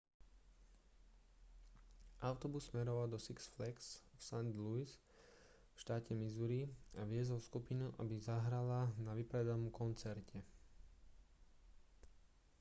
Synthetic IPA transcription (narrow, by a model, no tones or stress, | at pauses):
ʔaʊt̪ɔbusːmɛɾɔʋald̪ɔsiksflɛksfsand̪luis | fʃt̪aːcɛmizuɾiaʋɪɛzɔlskupinuʔa̰bizaɦɾalanaʋipɾɛd̪anɔmkɔnt͡sɛɾcɛ